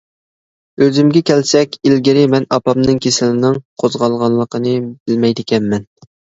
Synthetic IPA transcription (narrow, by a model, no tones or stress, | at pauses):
øzymɡʲɛkʲʰɛlsɛkʲilɡʲiɾɪmɛnɑpɑmnɨŋkʲʰesɪlɪnɨŋqʰozʁɑlˠʁɑnlˠːəqʰənɨbɪlmɛjd̪ɪkʲʰɛnmɛn